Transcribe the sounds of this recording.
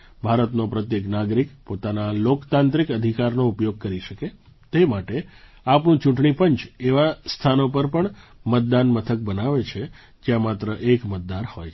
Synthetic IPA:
bʱaɾət̪nopɾət̪jeknaɡɾikpot̪analokt̪ãnt̪ɾikəd̪ʱikaɾnoupjoɡ̚kəɾiʃəke | t̪emaʈe | apnũt͡ʃũʈɳipəɲt͡ʃeʋast̪ʰanopəɾpəɳmət̪̚d̪anmət̪ʰək̚bənaʋet͡ʃʰe | d͡ʒjãmat̪ɾəʔekmət̪̚d̪aɾhojʰ

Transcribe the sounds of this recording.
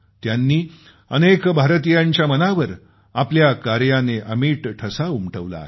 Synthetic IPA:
t̪janːiː | ənekbʱaɾt̪ijaɲt͡ɕjamənaʋəɾ | apljakaɾjaneʔəmiːʈʈʰəsaumʈəʋla̰e

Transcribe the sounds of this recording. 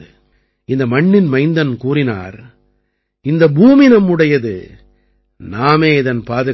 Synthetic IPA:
ɯ | ɪnd̪ɐmɐɳːɪnmɐɪnd̪ɐnkuːrɪna̰ːɾ | ɪnd̪ɐbuːmɪnɐmɯɽɐjɐðɯ̰ | naːmeːɪðɐnpaːðɯ

